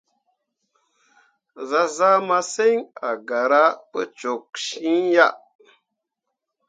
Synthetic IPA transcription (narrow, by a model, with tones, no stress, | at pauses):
za˦za˦ma˦se˦ŋa˨ɡa˨ɾa˦pə̰˦t͡ʃo˨k̚ʃi˦ja˦